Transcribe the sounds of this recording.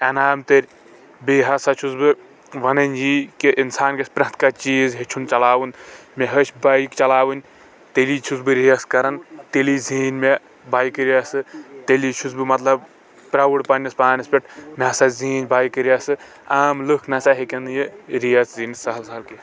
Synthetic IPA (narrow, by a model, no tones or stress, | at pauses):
ɐnaːmt̪eɾʲ | beːɦɐsat͡ʃʰusbɨ | ʋɐnɐnʲjiːkiʔinsaːnkɐsʲpɾɐ̃ɦt̪kat͡ʃiːzɦet͡ʃʰunt͡ʃɐlaːwɨnmeɦɐt͡ʃʰbajkt͡ʃɐlaːwɨnʲ | t̪elit͡ʃʰusbɨɾiɐskɐɾɐnt̪eliziːnme | baːjkɨɾiasɨt̪elit͡ʃʰusbɨmɐt̪lɐb | pɾawɐɽpɐnispaːnɐspʲeʈ̚ʰmeɦɐsaziːnʲbaːjkɨɾiasɨ | aːmlɨkʰnɐsaɦekɐnd̪ɨjeɾijɐsziːnsɐɦɐlsɐɦɐlki